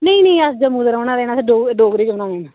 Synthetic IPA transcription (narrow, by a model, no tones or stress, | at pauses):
nəĩneĩːəsd͡ʒəmuːd̪əɾoːnaːd̪ɛːnaːsɖoːɡɖoːɡɾiːd͡ʒoːnaːd̪ɛːnaː